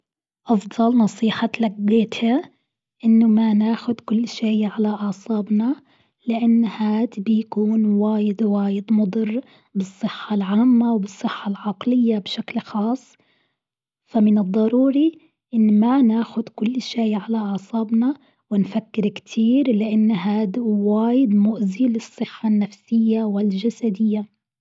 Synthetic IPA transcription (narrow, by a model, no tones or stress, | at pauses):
ʔɑfd̪ˤɑlnɑsˤiːħɑlaɡːeːt̪ha | ʔɪnːʊmanaːxʊd̪kʊlːʃeːʕalaʔɑʕsˤɑːbna | lɪʔanːhaːt̪bɪjakuːnwaːjɪd̪waːjɪd̪mʊd̪ˤɨrˤː | bɨsˤːɨħːɑlʕaːmːawbɨsˤːɨħːɑlʕɑqlɪjːabʃaklxɑːsˤ | famɪnɨd̪ˤːɑɾˤuːɾi | ʔɪnːmanaːxʊd̪kʊlːʃeːʕalaʔɑʕsˤɑːbna | wɪnfakːɪɾkt̪ʰiːɾlɪʔanːɦaːd̪waːjɪd̪mʊʔziːlɨsˤːɨħːanːafsɪjːawɪld͡ʒasad̪ɪjːa